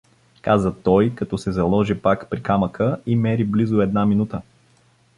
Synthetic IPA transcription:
kazət̪ɔjkɐt̪ɔsɛzɐlˠɔʒipakpɾikaməkəimɛɾiblizʊɛd̪naminut̪ə

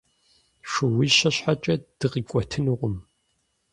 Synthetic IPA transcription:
ʂʊwizɕɐɕħat͡ʃʼɐd̥ɨʁikʷʼɔtʰɨnɨʁʷʊm

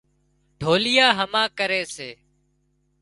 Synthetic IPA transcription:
ɖʱoːlɪjaːɦəmãːkəɾeːseː

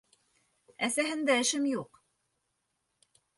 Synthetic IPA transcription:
æsæɦɘ̆nd̪æɘ̆ʃɘmjuq

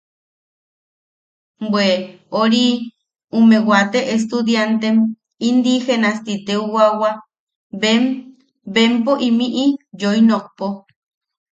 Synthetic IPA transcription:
bwe | oɾi | umewat̪eʔes̬t̪ud̪jant̪em | ind̪ixenast̪it̪euwawa | e | bempoʔimiʔijoinok̚po

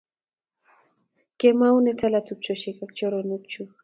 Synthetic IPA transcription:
kɛmaunɛtalatuk̚t͡ʃɔʃɛkakt͡ʃɔɾɔnuk̚t͡ʃu

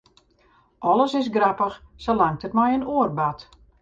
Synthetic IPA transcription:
ʔɔləsɪsɡrapəxsəlaŋtətmajənuərbat

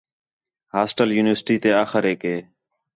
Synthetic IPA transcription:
haːsʈəljuːnɪʋəsʈiːt̪eːaːxəɾeːkɦeː

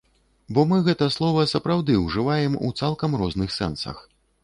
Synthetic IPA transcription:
bɔmɨɣɛt̪ɐslˠɔvɐsɐpɾawd̪ɨwʐɨvajɛmṵt̪salˠkɐmɾɔznɨxsɛ̰nsɐ̰x

